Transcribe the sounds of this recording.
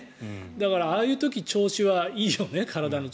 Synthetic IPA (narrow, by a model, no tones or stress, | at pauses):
d̪akaɾaaːjɯ̟ːt̪o̞kʲit͡ɕo̞ːɕiβaiːjo̞ne̞kʰaɾad̪ano̞